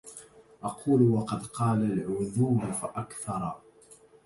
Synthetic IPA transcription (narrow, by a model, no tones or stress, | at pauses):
ʔɑqʰuːlwɑqɑd̪qɑːlalʕʊðuːmfaʔakθɑɾˤɑ